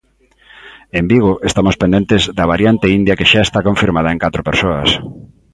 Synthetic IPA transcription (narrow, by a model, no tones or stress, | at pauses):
embiɣ̞oʔest̪amospẽnd̪ent̪ɪzðɐβaɾjant̪eind̪jɐkeʃaest̪akoɱfiɾmað̞ɐeŋkat̪ɾopeɾsoɐs